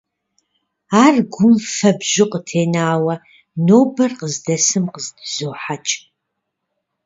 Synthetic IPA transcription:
aːrɡʷʊmfɐbʒɪqətʰeːnaːwɐ | noːbɐrqəzdɐsɨmqəzdɨzoːħat͡ʃʼ

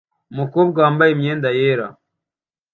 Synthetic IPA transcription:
mukoβɡaːmbaimɲeːndajeːɾa̰

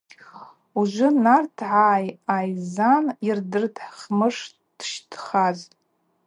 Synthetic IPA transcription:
uʒʷʊnartʰʕaːjajzanirdɨrdʰħχmɨʂ | d̥ʃtʰχaz

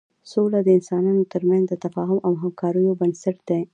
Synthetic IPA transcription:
solad̪əɪnsɑnɑnot̪əɾmanzd̪ət̪afɑɦʊmawɦamkɑɾəjobənsaʈ̚d̪̥e

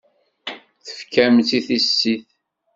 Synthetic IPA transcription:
θə̥fkæmt̪iθisːiθ

